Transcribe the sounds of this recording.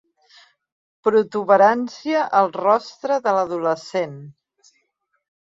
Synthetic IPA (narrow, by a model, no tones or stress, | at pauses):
pɾut̪uβəɾansiəʔəlˠrɔst̪ɾəðələðuləsen